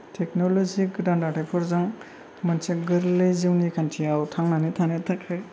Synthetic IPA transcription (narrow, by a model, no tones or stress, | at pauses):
tʰek̚noloziɡɯdandatʰajpʰɔɾzɯŋ | mɯnseɡɯɾlɯjziwnikʰantʰiawtʰaŋnanitʰaŋnetʰakʰɯj